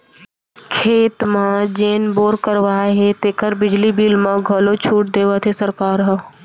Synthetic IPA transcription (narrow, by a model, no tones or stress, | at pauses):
kʰeːt̪mãd͡ʒeːnboːɾkəɾʋaːɦet̪eːkəɾbɪd͡ʒlibiːlmãɡʱəlot͡ʃʰuːʈ̚d̪eːʋət̪ʰesəɾkaːɾɦə